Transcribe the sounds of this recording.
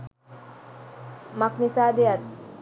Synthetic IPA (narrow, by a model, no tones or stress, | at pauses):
maknisad̪ejat̪